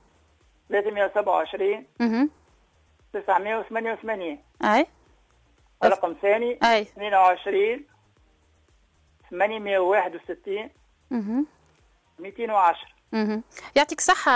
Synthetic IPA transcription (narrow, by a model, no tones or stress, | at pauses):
θlæt̪əmʔæwsabʕawʕəʃɾiːnm̩h | t̪əsəʕməjæwθmænjæwθmæniːn | ʔæj | ʕlɑqɑmθæniʔæjniːnwʕəʃɾiːn | θmænjməjæwːaːħəd̪wsɪt̪ːiːn | ɦ̩ | mit̪iːnwʕaʃɾˤ | m̩hjaʕt̪ˤiːksˤɑħːɑ